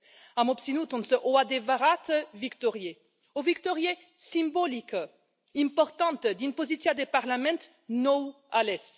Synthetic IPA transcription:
amɔpsinut̪ɔ̃nsəʔoad̪evaʁat̪vikt̪ɔʁje | ovikt̪ɔʁje | sĩmbɔlik | ĩmpɔʁt̪ɑ̃nt̪d̪inpozisjad̪epaʁlamɛ̃nt̪ | nɔw | alɛs

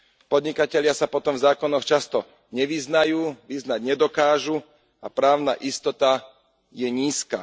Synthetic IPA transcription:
pɔd̪ɲikacɛʎɪasapɔt̪ɔmvzaːkɔnɔxt͡ʃast̪ɔ | ɲɛʋiznajuːʋiznaɟɲɛd̪ɔkaːʒu | apɾaːʊna̰ʔist̪ɔt̪a | jɛɲiːska̰

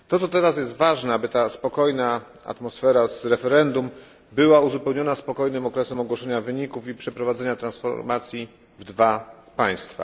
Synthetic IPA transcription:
t̪ɔt̪sɔt̪ɛɾas̬jɛst̪vaʐnɛabɘt̪aspɔkɔjna | a̰t̪mɔsfɛɾazɾɛfɛɾɛnd̪um | bɘwauzupɛwɲɔnaspɔkɔjnɘmɔkɾɛsɛmɔɡwɔʂɛɲavɘɲikufipʂɛpɾɔvad̪zɛɲat̪ɾansfɔ̰ɾmat̪sʲji | vd̪vapaj̃st̪fa̰

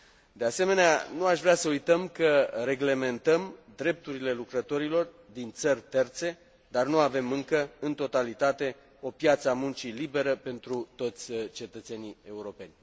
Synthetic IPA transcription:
d̪e̞ase̞me̞nea̰nuaʃvɾeasəujt̪əmkəɾe̞ɡle̞me̞nt̪əmd̪ɾe̞p̚t̪uɾile̞lukɾət̪o̞ɾilo̞r | d̪int̪sərʲt̪e̞rt̪se̞ | d̪arnuave̞mɨŋkəɨnt̪o̞t̪alit̪at̪e̞ | o̞pjat̪səamunt͡ʃilibe̞ɾəpe̞nt̪ɾut̪o̞t̪sʲt͡ʃe̞t̪ət̪se̞nie̞uɾo̞pe̞nʲ

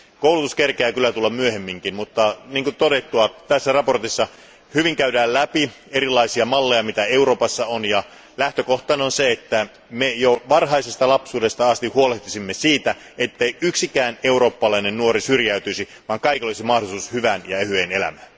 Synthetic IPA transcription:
kowlut̪uskerkeæːkylːˑæt̪ulːɑmmyøhemːiŋkinmut̪ːɑniːŋkut̪odet̪ːuɑt̪æsːærɑport̪isːɑ | hyʋiŋkæydæːllæpi | eɾilːˑɑisiɑmɑlːejɑmit̪æeuɾo̞ːpɑsːɑonjɑ | læht̪økoht̪ˑɑːnonseet̪ːæ | mejoʋɑrɦɑisest̪ɑlɑpsuːdest̪ɑɑst̪ihuoleht̪isimːesiːt̪æ | et̪ːeiyksikæːneuro̞ːpːɑlɑinennuoɾisyrjæyt̪yisi | ʋɑːŋkɑikiolisimɑhdosuːshyʋænjɑehyeːnelæ̰mæːn

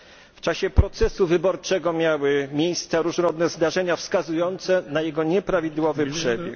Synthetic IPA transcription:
ft͡ʂaɕɛpɾɔt̪sɛsuvɘbɔɾt͡ʂɛɡɔmʲjawɘmʲjejst̪saɾuʐnɔɾɔd̪nɛzd̪aʐɛɲafskazujɔnt̪sɛnajɛɡɔɲɛpɾavʲid̪wɔvɘpʂɛbʲjɛ̰k

